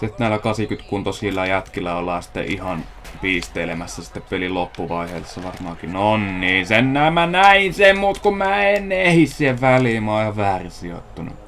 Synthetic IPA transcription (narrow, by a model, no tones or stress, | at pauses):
set̪næːlækɑsikyt̪kunt̪osilːɑjæt̪kilːæolːɑːsi̥t̪ːḛʔihɑn | piːst̪eːlemæsːæsi̥t̪ːeppelilopːuʋɑˑiheːsːɑʋɑrmɑ̰ːkinonniːsennæːmmænæinsemmuːt̪kummæːenːehissieʋʋæliːˑmɑːjɑʋæːrisio̰t̪ːunṵ